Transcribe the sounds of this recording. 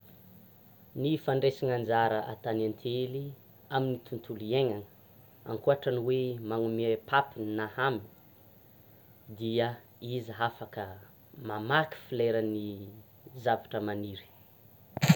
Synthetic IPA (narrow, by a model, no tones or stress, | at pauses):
nifaɳɖ͡ʐesiŋand͡zaɾəʔat̪anant̪ʰeli | aminit̪unt̪ʰulieŋaŋə | a̰ŋkuaʈ͡ʂaniwemaŋumepʰapininahami̥ | d̪iə | izɦafakə | mamaki̥fileɾəni | zavaʈ͡ʂəmaniɾi̥